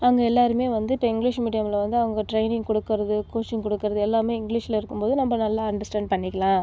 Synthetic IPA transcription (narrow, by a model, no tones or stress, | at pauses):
ɐʋɐŋɡɐɛlːaːɾɯmeːʋɐnd̪ɯɪpːɐɪŋɡlɪʂmiːɽɪjɐmɪlɐʋɐnd̪ɯɐʋɐŋɡɐʈɾɐɪnɪŋɡkɔɽɯkːɪɾɐðɯkoːst͡ʃɪŋkɔɽɯkːɯɾɐðɯɛlːaːmeːɪŋɡliʂɪlɐɪɾɯkːɯmpoːðɯnɐmbːɐnɐlːaːɐɳɖɐɾsʈɛːɳɖ̚pɐɳːɪkːɐlãː